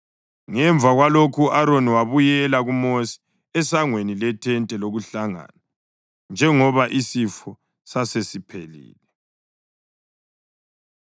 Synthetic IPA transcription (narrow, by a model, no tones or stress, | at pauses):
ŋɛɱb̪vʱaɣwalokʰuʔaɾoniwaβujɛlaɣumosi̥ | ɛsaŋwenilɛtʰɛntʼɛloɣuɬaŋa̰na | nd͡ʒʱɛŋɔβaʔisifɔ | sasesipʰelḭːlɛ